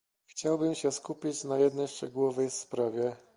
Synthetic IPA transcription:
xt͡ɕawbɘmɕɛskupʲit͡ɕnajɛd̪nɛjʂt͡ʂɛɡuwɔvɛjspɾavʲjɛ

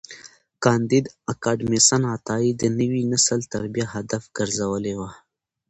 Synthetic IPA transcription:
kɑnd̪id̪akaɖmisanat̪ɑid̪ənəwinasəlt̪aɾbjaɦad̪afɡ̥əɾzawəlewa

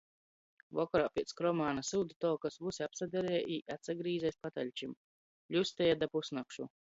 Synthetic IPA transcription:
vɔkɔɾaːpʲiɛt̪skɾɔmaːnasuːd̪ut̪ɔkasvusʲiapsad̪ʲɛɾɛjʔiːʔat̪saɡɾiːzɛjspat̪alʲt͡ʃim | ʎʲusʲt̪ɛjad̪apusnakʃu

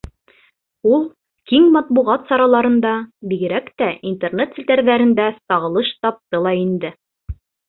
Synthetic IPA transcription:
ulˠ | kiŋmɑt̪̚buʁɑt̪sɑɾɑlˠɑɾɤ̆nd̪ɑbiɡɘ̆ɾækt̪æint̪ernet̪sɘt̪æɾðæɾɘ̆nd̪æsɑʁɤ̆lˠɤʃt̪ɑp̚t̪ɤlˠɑind̪ɘ

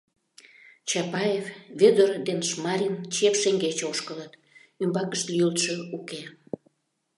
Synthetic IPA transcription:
t͡ɕɑpɑjevβed̪ord̪enʃmɑɾʲint͡ɕepʃeŋɡet͡ɕoʃkələt̪ | ymbɑkəʃt̪lʲyjəlt̪ʃə̆uke

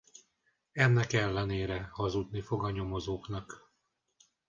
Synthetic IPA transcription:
ɛnːɛkɛlːɛneːɾɛhɒzud̪nifo̞ɡɒɲo̞mo̞zoːknɒk

